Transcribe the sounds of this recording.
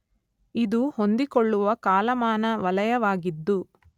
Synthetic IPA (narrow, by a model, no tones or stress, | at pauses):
id̪uhond̪ikoɭːuʋɐkaːlɐmaːnɐʋɐlɐjɐʋaːɡid̪ːu